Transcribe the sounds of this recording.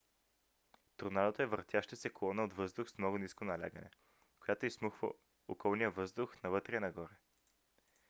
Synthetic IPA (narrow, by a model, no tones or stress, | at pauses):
t̪uɾnad̪ət̪oɛvɾt̪ʲjaʃt̪əsɛkolˠɔnəod̪vɤzd̪ʊxsmnɔɡʊniskonɐlʲa̰ɡə̰nɛ̰ | kojat̪oismuxvə̰ | okɔlˠnijəvɤzd̪ʊxnɐvɤt̪ɾɛnɐɡɔɾɛ